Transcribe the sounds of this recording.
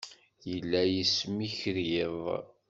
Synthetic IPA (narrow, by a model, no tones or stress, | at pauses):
jəlːæjismiçɾjeðˤ